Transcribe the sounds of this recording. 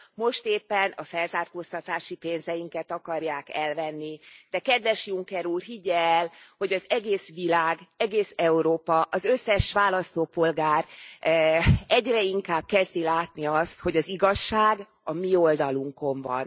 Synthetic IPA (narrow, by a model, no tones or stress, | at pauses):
mo̞ʃt̪eːpːɛnɒfɛlzaːrkoːst̪ɒt̪aːʃipeːnzɛjiŋkɛt̪ɒkɒrjaːkɛlvɛnːid̪̥ɛkɛd̪ʋɛʃjuŋkɛɾuːrɦiɟɛːlho̞ɟɒzɛɡeːsʋilaːɡɛɡeːsɛuɾoːpɒʔɒzøsːɛʃʋaːlɒst̪oːpo̞lɡaːr | ɛɟrɛiŋkaːb̚kɛzd̪ilaːt̪niɒst̪ho̞ɟɒziɡɒʃːaːɡ | ɒmio̞ld̪ɒluŋko̞ɱvɒ̰n